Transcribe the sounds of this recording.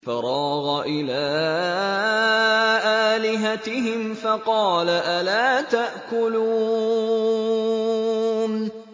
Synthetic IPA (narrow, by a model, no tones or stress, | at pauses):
fɑ̰ɾˤɑːɣɑʔɪlaː | ʔaːlɪɦat̪ɪɦɪmfɑqɑːlaʔalaːt̪aʔkʊlu | n